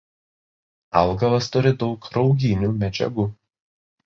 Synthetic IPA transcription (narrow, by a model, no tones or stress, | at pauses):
ɐlˠɡɐʋɐst̪ʊɾʲɪd̪ɒʊkɾɒʊɡʲɪnʲuːmʲɛd͡ʒʲɛ̰ɡʊ